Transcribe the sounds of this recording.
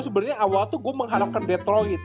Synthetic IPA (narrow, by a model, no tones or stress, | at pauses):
səbərɲaawalt̪uɡuɛməŋɦaɾap̚kanbɛt̪ɾɔit̪